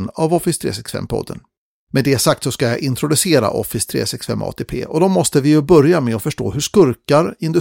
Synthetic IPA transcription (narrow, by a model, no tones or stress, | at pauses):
navɔfɪst̪ʰɾḛːsɛksfɛ̰mːpʰɔ̰d̪ːə̰n | med̪ɛsak̚t̪sɔskajɑ̰ʔɪnt̪ʰɾʊd̪ɵseːɾa̰ʔɔfɪst̪ʰɾḛːsɛksfɛ̰mːʔɑ̰ːt̪ʰeːpʰḛːʔɔd̪ɔmːɔst̪əvɪjɵbœɾjamɛɔfœʂʈo̰ːhɵʂkɵɾkaɾɪnd̪ɵ